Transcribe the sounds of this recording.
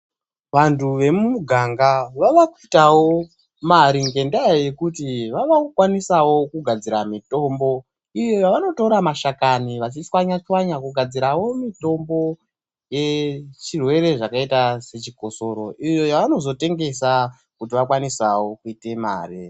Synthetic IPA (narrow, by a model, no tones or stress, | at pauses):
ʋantʰuʋe̞mumuɡʱaŋɡaʋaʋakuitawo̞ | maɾiŋɡe̞ndajaje̞kutiʋaʋakukwanisawo̞kuɡʱad͡ziɾamito̞mbo̞ | ijojaʋano̞to̞ɾamaʃakaniʋat͡ʃiswaɲat͡ʃwaɲakuɡʱad͡ziɾawo̞mito̞mbo̞ | je̞t͡ʃirwe̞ɾe̞ʐakaitase̞t͡ʃiko̞so̞ɾo̞ʔijo̞jaʋano̞zo̞te̞ŋɡe̞sa | kutiʋakwanisawo̞kuite̞ma̰ːri